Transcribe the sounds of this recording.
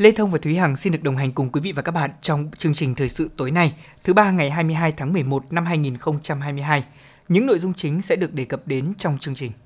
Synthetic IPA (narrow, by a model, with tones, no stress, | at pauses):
le˧t̪ʰə˧wŋ͡mvaː˨˩t̪wi˨˦ha̰ː˧˩ŋsi˧nɗɨ˨˩ək̚ɗə˨˩wŋ͡mɦa˨˩jŋ̟kʊ˨˩ŋ͡mkwi˨˦vḭ˧˨vaː˨˩kaː˦˥ɓa̰ː˧˨nt͡ɕɔ˧wŋ͡mt͡ɕɨ˧əŋt͡ɕï˨˩ŋ̟t̪ʰəː˨˩jsɨ̰˧˨t̪o˨˦jna˧jt̪ʰɨ˨˦ɓaː˧ŋa˨˩jɦaː˧jmɨ˧əjɦaː˧jt̪ʰaː˨˦ŋmɨ˨˩əjmo˨˩t̚na˧mɦaː˧jŋi˨˩nxə˧wŋ͡mt͡ɕa˧mhɦaː˧jmɨ˧əjɦaː˧j | ɲɨ̰˧˥ŋno̰˧˨jzʊ˧ŋ͡mt͡ɕï˨˦ŋ̟sɛ̰˧˥ɗɨ˨˩ək̚ɗe˨˩kə˨˩p̚ɗe˨˦nt͡ɕɔ˧wŋ͡mt͡ɕɨ˧əŋt͡ɕï˨˩ŋ̟